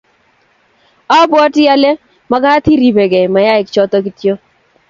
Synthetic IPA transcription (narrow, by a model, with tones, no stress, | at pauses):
ɔ˦bwɔ˦tɪ˦ja˦le˦ | ma˦ɡa˦t̪i˦ɾi˨be˨ɡɛ˨ma˨ja˦ɪ˨kt͡ʃɔ˦t̪ɔ˦ki˨tjo˦